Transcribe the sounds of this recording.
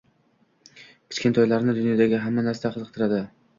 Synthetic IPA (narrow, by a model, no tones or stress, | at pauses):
kʲʰɪ̥t͡ʃkʲe̞nt̪ʰɒjlaɾnɪd̪ʊnjɒd̪aɡʲɪɦamːanaɾsaqʰɨzɨqt̪ʰɪɾad̪ɪ